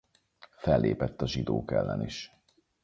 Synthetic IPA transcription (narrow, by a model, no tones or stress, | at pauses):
fɛlːeːpɛt̪ːɒʒid̪oːkɛlːɛniʃ